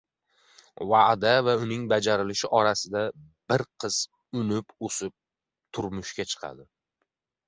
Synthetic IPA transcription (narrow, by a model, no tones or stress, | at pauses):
vad̪avaʊnɪŋbad͡ʒaɾɪlɪʃɪʔɒɾasɪd̪a | b̥ɪɾqʰɨz̥ | ʊnɪposɪp̚ | t̪ʰʊɾmʊʃkʲat͡ʃʰɨ̥qʰɑ̰d̪ɪ